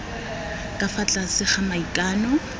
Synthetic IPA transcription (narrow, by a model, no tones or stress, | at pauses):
kʼafat͡ɬʼasɪχamaikʼaːnɔ